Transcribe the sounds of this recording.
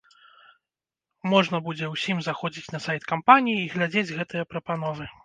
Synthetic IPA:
mɔʐnɐbud͡zʲɛwsʲimzaxɔd͡zʲit͡sʲnɐsajt̪kampanʲijiːɣlʲad͡zʲed͡zʲɣɛt̪ɨjɐpɾɐpanɔvɨ

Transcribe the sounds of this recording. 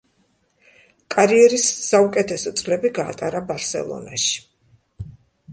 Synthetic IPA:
kʼaɾiɛɾisːaukʼɛt̪ʰɛsɔt̪sʼlɛbiɡa̰ːt̪ʼaɾabaɾsɛ̰lˠɔ̰na̰ʃi̥

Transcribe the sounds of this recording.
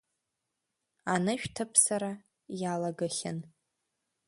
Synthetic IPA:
anɨʃᶣtʰɨpʰsaɾa | jalaɡaχʲɪ̰n

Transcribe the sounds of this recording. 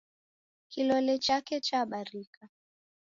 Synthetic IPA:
kilɔlɛt͡ʃakɛt͡ʃaɓaɾika

